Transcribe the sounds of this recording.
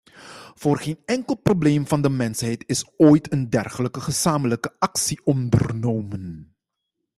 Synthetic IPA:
v̥ʊːrχenɛŋkəlˠprobleːmvɑndəmɛnsɦɛjtɪsoːjtʰəndɛrχələkəχəzaːmələkəɑksiʔɔndərnowmən

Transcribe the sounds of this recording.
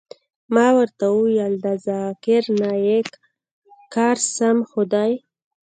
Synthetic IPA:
mɑwəɾt̪awujald̪azɑkɪɾnɑjekː | ɑɾsamxʊd̪ɑj

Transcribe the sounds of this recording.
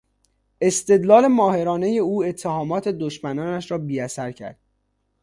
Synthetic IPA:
e̞st̪e̞d̪lɒːle̞mɒːhe̞ɾɒːne̞je̞uːe̞t̪ʰːe̞hɒːmɒːt̪ʰe̞d̪oʃmænɒːnæʃɾɒːbiːæsæɾcʰæ̰ɾd̪̥̚

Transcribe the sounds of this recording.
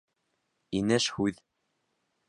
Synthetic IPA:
inɘʃhʉð

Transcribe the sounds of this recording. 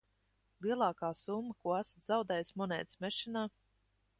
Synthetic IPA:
lˠiɛlˠɑːkaːsumːəkuɔæsḁt̪zawd̪ɛːjsmɔnɛ̰ːt̪smɛʃinaː

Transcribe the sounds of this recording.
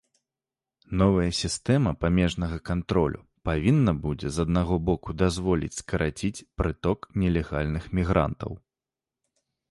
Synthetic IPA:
nɔvɐjɐsʲist̪ɛmɐpamʲɛʐnɐɣɐkant̪ɾɔlʲʔṵ | pavʲinːɐbud͡zʲɛzɐd̪naɣɔbɔkud̪azvɔlʲḭt͡sʲskɐɾʔat͡sʲit͡sʲpɾɨt̪ɔknʲɛlʲɛɣalʲnɨxmʲiɣɾa̰nt̪ɐ̰w

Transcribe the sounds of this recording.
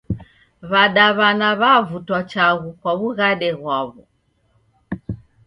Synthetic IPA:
βaɗaβanaβavutwat͡ʃaɣukwaβuɣaɗɛɣwaβɔ

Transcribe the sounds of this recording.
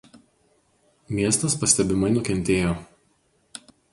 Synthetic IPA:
mʲiɛst̪ɐspɐsʲt̪ʲɛbʲɪmɐɪnʊkʲɛnʲˑt̪ʲeːjoː

